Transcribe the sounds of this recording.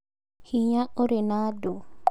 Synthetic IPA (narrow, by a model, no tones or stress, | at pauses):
hiɲaʔɔɾɛnadɔ